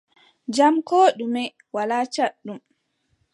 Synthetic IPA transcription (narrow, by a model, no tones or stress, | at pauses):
d͡ʒamkoːɗumɛ | walat͡ʃaɗːum